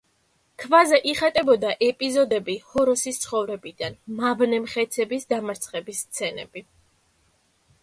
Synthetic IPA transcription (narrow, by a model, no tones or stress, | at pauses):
kʰvazɛʔiχat̪ʼɛbɔd̪aʔɛpʼizɔd̪ɛbihɔɾɔsist̪sʰχɔvɾɛbid̪̥anmavnɛmχɛt̪sʰɛbisd̪amaɾt̪sʰχɛbisːt̪sʰɛnɛ̰b̥i